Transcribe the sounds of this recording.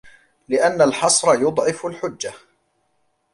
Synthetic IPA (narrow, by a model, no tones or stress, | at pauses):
lɪʔanːalħɑsˤɾˤɑjʊd̪ˤʕɪfʊlħʊd͡ʒːa